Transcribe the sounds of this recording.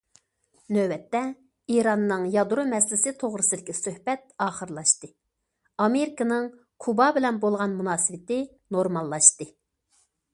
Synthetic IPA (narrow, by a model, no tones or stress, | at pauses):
nøbɛt̪ːɛ | iɾɑnːɨŋjɑd̪ɾumɛslɪsɪt̪ʰoʁɾɨsɨd̪ɪkʲɛsøhbɛt̪̚ɑːχəɾlˠɑʃt̪ɨ | ɑmeɾɪkɨnɨŋ | kʰubɑbɪlɛnbolˠʁɑnmunɑːsɨwɪt̪ɪ | noɾmɑlˠːɑʃt̪ɨ